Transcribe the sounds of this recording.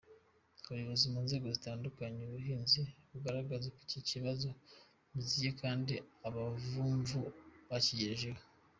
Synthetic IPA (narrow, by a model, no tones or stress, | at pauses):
uɾiβazomunze̞ːɡo̞zitaːndukaɲeuβuɦiːnziβuɡaɾaɡazekwiciciβazo̞ | muzijekaːndiaβavuːɱvuβacijeʒewe